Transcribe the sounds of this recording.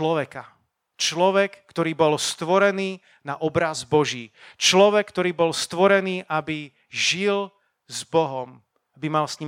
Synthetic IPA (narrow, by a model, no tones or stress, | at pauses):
lɔʋɛka | t͡ʃlɔʋɛkːt̪ɔɾiːbɔlst̪ʋɔɾɛniː | naʔɔbɾazbɔʒiːt͡ʃlɔʋɛkːt̪ɔɾiːbɔlst̪ʋɔɾɛniːʔabi | ʒil | zbɔɦɔm | abimalsɲi